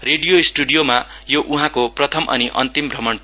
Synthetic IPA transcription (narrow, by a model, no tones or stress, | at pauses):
reɖijoisʈuɖijoma | joʔuɦãkoprʌt̪ʰʌmʔʌ̰niʔʌ̰nt̪imbrʱʌmʌɳ